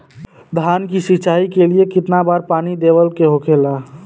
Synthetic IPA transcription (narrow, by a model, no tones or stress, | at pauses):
d̪ʱaːnkisɪt͡ʃaːikeliekɪt̪nabaːɾpaːnid̪eːʋəlkeɦokʰeːlaː